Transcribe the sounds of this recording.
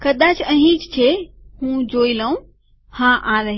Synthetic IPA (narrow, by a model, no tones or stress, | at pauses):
kɐd̪aːt͡ʃə̃ɦĩt͡ʃt͡ʃʰehũd͡ʒoːiləũ | hãʔaɾəɦ